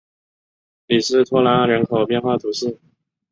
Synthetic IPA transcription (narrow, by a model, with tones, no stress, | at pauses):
li˨˩ʂɻ̩˥˩t̪ʰɔ˥la˧˥ɻə˧˥nkʰo˨˩ʊpjɛ˥˧nxwa˥˩t̪ʰu˧˥ʂɻ̩˥˩